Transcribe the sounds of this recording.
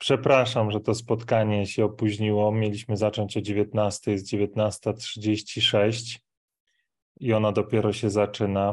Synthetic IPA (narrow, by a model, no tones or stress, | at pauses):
pʂɛpɾaʂamʐɛt̪ɔspɔt̪kaɲɛɕɛɔpuʑɲiwɔmʲjelʲiɕmɘzat͡ʂɔɲt͡ɕɔd͡ʑevʲjet̪nast̪ɛjzd͡ʑevʲjet̪nast̪atʂɘd͡ʑeɕt͡ɕiʂɛɕt͡ɕ | iɔnad̪ɔpʲjɛɾɔɕɛzat͡ʂɘna